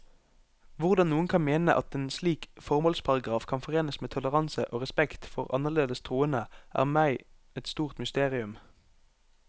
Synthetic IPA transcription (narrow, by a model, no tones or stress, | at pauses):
ʋʊʁd̪ɑnnuːənkʰɑnmeːnəʔɑ̰t̪eːnsliːkfɔʁmoːlspʰɑʁɑɡʁɑːfkʰɑnfɔʁeːnəsmeːt̪ʰɔləʁɑnsəʔoːʁɛspɛkt̪fɔʁɑ̰nəʁleːd̪əst̪ʰʁuːənəʔæ̰ːʁmæɪ | ɛt̪st̪uːʁt̪mʏst̪eːʁɪʉm